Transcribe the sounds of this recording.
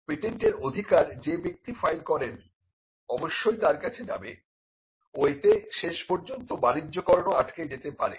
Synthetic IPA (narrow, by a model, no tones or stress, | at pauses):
piʈeɳʈeɾod̪ʱikaɾd͡ʑebik̚t̪ifajlkɔɾen | ɔboʃːojt̪aɾkat͡ɕʰed͡ʑa̰be | oet̪eʃeʃpɔɾd͡ʑont̪obaɾid͡ʑːokɔɾonoaʈkejd͡ʑet̪epaɾḛ